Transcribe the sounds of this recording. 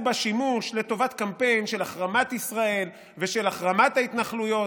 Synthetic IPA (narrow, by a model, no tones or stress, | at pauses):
baʃimuʃle̞to̞vat̪kampe̞jnʃe̞laχʁamat̪isʁae̞l | veʃe̞laχʁamat̪hait̪naχlujo̞